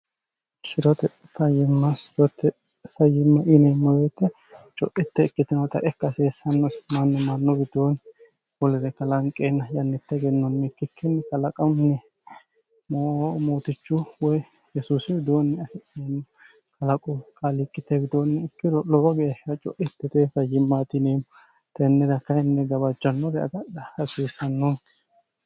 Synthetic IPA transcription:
sɪɾɔt̪ɛ | sɐjɪmːɐsɪɾɔt̪ːɛ | sɐjɪmːɐʔɪnɛmːɔjet̪ːɛ | t͡ʃʼɔʔɪt̪ːɛɪkːɪt̪ːɪnɐt̪ɐʔɛkːɐseːsːɐnːɔsmɐnːɛmɐnːɔbɪd̪oːn | wɔlɛɾɛkːɐlɐŋkʼːeːnːɐjɐnːɛt̪ːɛɡɛnːɔnːɪkːɪkːɪnːkɐlɐkʼɐnːɛ | momoːt̪ɪt͡ʃːʊwɔj | jɛsuːsɪd̪oːnːɛɐen | kɐlɐkʼɔkʼalɪkʼːɪt̪ɛɡɪd̪oːnːɛɪkːɪɾɔlɔbɐɡɛjɐʃɐt͡ʃʼːɔ̰ʔɪt̪ːɛt̪efɐjɪmːaːt̪ɪne | t̪ɐnːɛd̪ɐkɐnːɛɡɐbɐd͡ʒːɐnːɔbɛɐ̰ɡɐɐɐseːsɐnːɔn

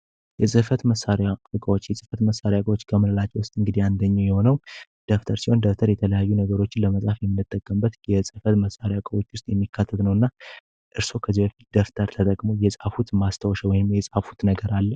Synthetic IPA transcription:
jɛsʼɨfət̪məsːaɾjaɨkʼəwot͡ʃːjɛsʼɨfət̪məsːaɾjakʼwot͡ʃːkʰəmːɨnɨlat͡ʃːɛwʊst̪ʼɨŋɡɨd̪iand̪əɲːajɛho̞nəw | d̪̥əft̪ʰəɾsiho̞nd̪əft̪ʰəɾjɛt̪ʰələjajːunəɡəɾo̞t͡ʃːɪnləməsʼafjɛmːɨnːɨt̪ʼːəɡʼːəmbət̪jɛsʼɨfət̪məsːaɾɪjakʼəwo̞t͡ʃːwʊst̪ʼjɛmːikʰːat̪ʰːət̪nəwɨnːa | ʔɨɾso̞kʰəzːibəfit̪̚d̪əft̪ʰəɾt̪ʰəd̪əɡmo̞jɛsʼafut̪mːast̪ʰəwɔʃəwɔjɪmjɛsʼafu̥t̪nəɡəɾalːə

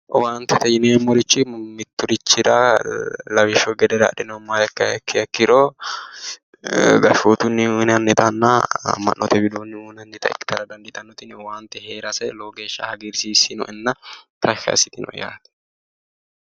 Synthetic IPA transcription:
waːnt̪ɛt̪ɐjɪneːmːɔɾɪt͡ʃːɪmɪt̪ːʊɾɪt͡ʃːɪɾa | lɐwɪʃɔɡɛd̪ɛdɐ̰ːᶑɛnomːaːjɐkːɐɛkːɪɐkːɪɾoː | ɡɐʃoːt̪ʊnːɪnɐnːɪt̪ɐnːaːɐ̰mːɐ̰nːɔt̪ɛbɪd̪uːnːɪuːnɐnːɪt̪ɐ̰ɪ̰kːɪ̥t̪ɐɾɐd̪ɐnd̪ɪt̪ɐnːʊt̪ɪnwaːnt̪ɛhe̞ːɾɐsɛloːɡeːʃːɐ̰hɐɡɪɾsiːsinʊ̰ʔɛnːɐt̪ɐʃɐ̰sɪt̪ɪnʊ̰ʔɛ̰jaːt̪ɛ̥

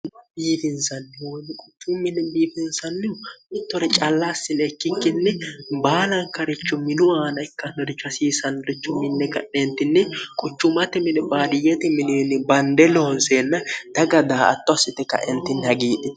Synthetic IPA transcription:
nbiːfɪnsɐnːɪwonɪkʼʊt͡ʃːʊmːɪnːɛbiːfɪnsɐnːɪmɪt̪ːɔɾɛt͡ʃʼɐlːaːsːɪnɛkːɪkːɪnːɛbaːlɐŋkːɐɾɪt͡ʃːɔmɪnʊaːnɐɪkːɐnːɔɾɪt͡ʃːʊɐsiːsɐnːɔɾɪt͡ʃːɔmɪnːɛkːɐᶑɛnt̪ːɪnːɛkʼʊt͡ʃːʊmɐt̪ɛmɪnɛbaːd̪ɪjɛt̪ɛmɪnɪnɪbɐnd̪ɛloːnseːnːɐd̪̥ɐɡɐd̪aːɐ̰t̪ːɔɐsːɪt̪ɛkːɐ̰ʔɛnt̪ɪnːɛhɐɡiːᶑɪ

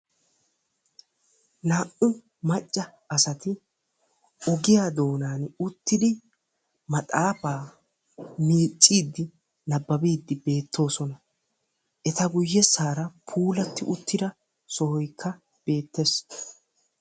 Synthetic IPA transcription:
naːʔʊ | mɐt͡ʃʼːɐ | ɐsɐt̪ɪ | ɔɡɪjaːd̪o̞ːnaːnʊt̪ːɪd̪ɪ | mɐt̪ʼaːfaː | miːt͡ʃʼːiːd̪ːɪ | nɐbːɐbiːd̪ːɪbe̞ːt̪ːo̞ːsɔnɐ | ʔɛt̪ɐɡʊjːɛsaːɾɐpʰuːlɐt̪ːɪʔʊt̪ːɪd̪ɐ | sɔhɔjkʰːɐ | b̥e̞ːt̪ːes

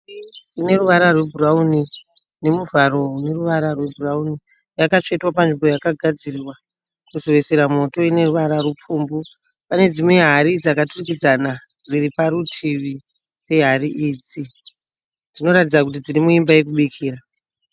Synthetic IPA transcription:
ine̞ruʋaɾarwe̞bʱurauni | ne̞muvaɾo̞ne̞ruʋaɾarwe̞bʱurauni | jakat͡ʃeitwapanʐimbo̞jakaɡʱad͡zirirwa | kuzo̞ʋese̞ɾamo̞to̞ine̞ruʋaɾarupuːmbu | pane̞d͡zimwe̞ɦaɾid͡zakaturukid͡zanad͡ziɾipaɾutʰiʋi | pe̞ɦariʔiːd͡zi | d͡zino̞ɾatid͡zakut̬id͡ziɾimuimbajek̬uɓikʰiːɾa

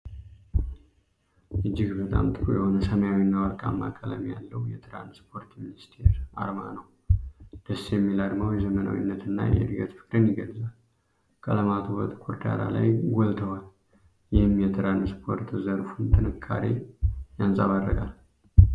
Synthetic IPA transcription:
ʔɨd͡ʒːɪɡbət̪ʼa̰mt̪ʼɨɾojɛho̞nəsəmjawinːawaɾkʼa̰mːa̰kʼələ̰mja̰lːəwjɛ̰t̪ʰʼɨɾa̰nspʰo̞ɾt̪minist̪ʰe̞ɾa̰ɾmanəw | d̪̥əsːjɛmːilaɾməwjɛzəməna̰wḭnːət̪ʰɨnːa̰jɛ̰ɨ̰d̪ɡə̰t̪fɨ̥kʼɾənjɪɡəlzal | kʼələmat̪ʰubə̰t̪ʼɨkʷʼʰoɾt̪ʰa̰ɾa̰la̰jɡɔlt̪ʰəwal | jɪhɨmjɛt̪ʰɨɾanspʰo̞ɾt̪ʰzəɾfunt̪ʼɨnɨkʰʼːa̰ɾejansʼaβaɾːə̰ɡʼalː

